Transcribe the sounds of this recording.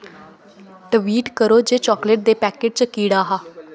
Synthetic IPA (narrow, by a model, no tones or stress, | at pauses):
ʈ̪əʋiːʈkəɾoːd͡ʒeːt͡ʃɔːkleːʈ̚d̪eːpɛːkeːʈ̚t͡ʃəkiːɽaːɦaː